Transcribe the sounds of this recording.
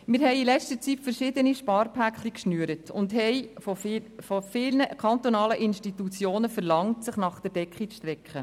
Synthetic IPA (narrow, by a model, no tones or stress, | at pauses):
mɪːɾɦɛɪilɛt͡stət͡sitfəɾʃɪd̪əniʃpɑːɾpʰækχlikʃnyəɾətʰʊndɦɛɪfɔffɔfɪlnəkʰɑntonɑːləʔɪnʃtitut͡sjoːnəfəɾlɑŋtsɪχnɑχd̥əɾd̥ɛkχit͡sʃtɾɛkχə